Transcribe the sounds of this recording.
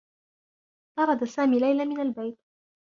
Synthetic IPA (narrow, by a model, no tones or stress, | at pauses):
t̪ɑɾˤɑd̪asaːmiːlajlamɪnalbajt̪̚